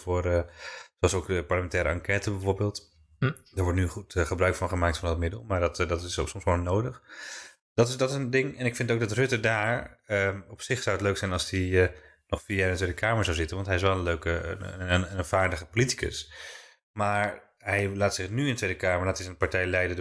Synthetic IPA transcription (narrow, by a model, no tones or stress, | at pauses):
vʊːrəsoɑlsowkəpɑɹləmɛntɛːɾə̰ɑŋkɛːtəbɛvʊːɹbeːlˠt | dəːɹʋɔɹtnyχutχəbrœɥkfɑnχəmaːk̚tfɑndɑtmɪdə̰lˠmaːɹdɑtdtɪssɔmsχonːowdəχ | d̥ɑtɪsdɑtɪsəndɪŋɛnɪkfɪntowɡdɑtrʏtədaːɹəɔpsɪχsawətløɥksɛjnɑlˠsdiə | nɔχfiːaɪndəntʋejdəkʰaːməɹzawzɪtənʋɑntɦɛjɪsʋɛlˠənløɥkə̰ | nv̥aːɹdəχəpoliti̥kə̰s | maːɹ | ɦɛjlaːtsɪχnyɪ̃ndətʋejdəkaːməɹlaːtɪsənpaɹtɛjlɛjdə